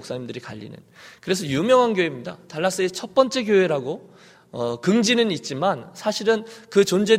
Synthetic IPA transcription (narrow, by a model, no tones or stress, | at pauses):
oks͈aɲimdɯɾika̰ʎːḭnɯ̰nkɯɾe̞s̬ʰʌjumjʌŋɦanɡjoɦemɲida̰taɭːas͈ɯet͡ɕʰʌt̚p͈ʌnt͡ɕ͈e̞kjoɦe̞ɾaɡo | ʌkɯŋd͡ʑinɯnit̚t͡ɕ͈imansʰaɕʰiɾɯnkɯt͡ɕond͡ʑe̞